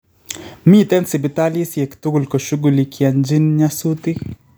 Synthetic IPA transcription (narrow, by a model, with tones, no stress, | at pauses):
mi˦t̪ɛ˦nsi˨bɪ˨t̪ali˦sjɛ˨kt̪u˦ɡu˨lko˨ʃu˦ɡulikʰjaɲd͡ʒi˦nɲasut̪i